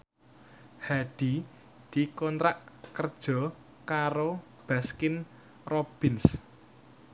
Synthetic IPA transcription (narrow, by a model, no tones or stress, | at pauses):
haɖ̥i̤ | d̪̥i̤kɔnt̪ɾaʔkərd̥ʒ̥ɔ̤ | kaɾo | b̥a̤skɪn | rob̥ɪns